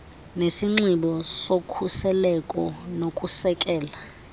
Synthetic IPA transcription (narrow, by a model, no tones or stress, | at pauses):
nesiŋ͡ǀiɓɔsokʰusɛlɛkʼɔnokʼusɛkʼɛːla